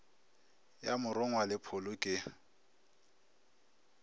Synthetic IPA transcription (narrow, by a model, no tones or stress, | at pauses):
jamʊɾʊŋwalɪpʰʊlʊkʼɪ